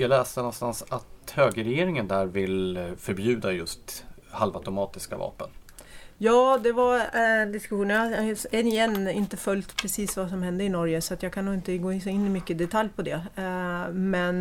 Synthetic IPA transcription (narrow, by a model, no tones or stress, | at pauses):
jɑlɛːst̪ənɔnst̪ansat̪høːɡəɾɛjeːɾɪŋənd̪æːɾvɪlfœɾbjʉ̟ːd̪ajɵst̪ | halvat̪ʊmɑːt̪ɪska̰vɑ̰ːpən | jɑːd̪ɛvaɾd̪ɪskɵɧuːnənjɛnːɪjɛnːɪnt̪əfœlːt̪pʰɾɛsiːsvasɔmhɛnd̪əɪnɔɾjəsɔat̪jɑːkʰanuːɪnt̪əɡoːɪsɔɪnːɪmʏkːəd̪ɛt̪ʰaljpʰɔd̪ɛ | mɛn